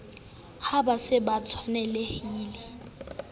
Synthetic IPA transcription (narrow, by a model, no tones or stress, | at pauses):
habasɪbat͡sʰwanɛlehiːlɪ